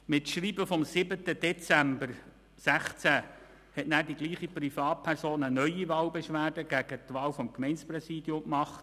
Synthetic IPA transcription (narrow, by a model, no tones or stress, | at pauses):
mɪtʃriːbəfɔmsɪbət̪əd̥ɛt͡sæmbər | sæχt͡sæ | hɛtnæːɾdiɡ̥liːχiprifɑːt̚pʰæɾsoːnənœʏiʋɑːlbɛʃʋæːrdəɡ̥æɡ̥ətʋɑːlfɔmkmɛɪnsprɛsiːdjʊmkmɑχt